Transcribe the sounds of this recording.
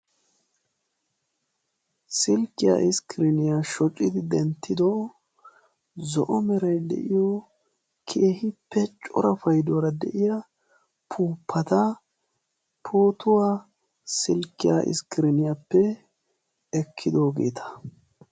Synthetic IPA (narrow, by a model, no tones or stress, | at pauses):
sɪlkːɪja̰ʔɪskɪɾɪnɪjaʃɔt͡ʃʼːɪd̪ɪd̪ɛnt̪ːɪd̪ɔ | zɔ̰ʔɔmɛɾɐjd̪ɛ̰ʔɪjɔ | kʰe̞ːhɪpːɛt͡ʃʼɔ̰ɾɐfɐjd̪ɔɾɐd̪ɛ̰ʔɪja | pʰuːpʰːɐt̪ɐ | pʰoːt̪ʊwaː | sɪlkɪja̰ʔɪ̰skɪɾɪnɪjapːɛ | ɛkʰːɪd̪o̞ːɡe̞ːt̪ʰɐ̥